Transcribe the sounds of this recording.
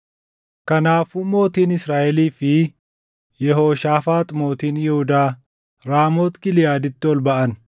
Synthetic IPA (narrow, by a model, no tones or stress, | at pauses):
kɐnaːfʊmo̞ːt̪iːnɪsɾaːʔɛliːfɪ | jɛɦo̞ːʃaːfaːt̪ʼmo̞ːt̪iːnjɛhʊd̪aː | ɾaːmoːt̪ɡɪlɪjaːd̪ɪt̪ːɪɔlbɐʔɐn